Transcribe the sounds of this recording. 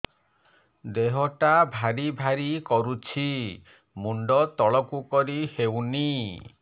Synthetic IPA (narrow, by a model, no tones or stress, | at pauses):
d̪eɦɔʈabʱaɾibʱaɾikɔɾut͡ʃʰi | muɳɖɔt̪ɔɭɔkukɔɾihewni